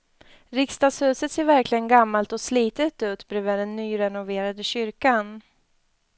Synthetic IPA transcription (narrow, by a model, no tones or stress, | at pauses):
ɾɪkst̪ɑːɡshʉ̟ːsət̪seːɾvæɾklɪɡənɡamːalt̪ɔsliːt̪ət̪ʉ̟ːt̪bɾʉːvəɖɛnːyːɾɛnʊveːɾad̪əɕʏɾkan